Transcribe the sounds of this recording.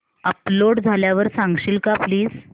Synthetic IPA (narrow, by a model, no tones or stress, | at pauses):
əploɽd͡zʱaljaʋəɾsãŋɡɕiːlkapliːd͡z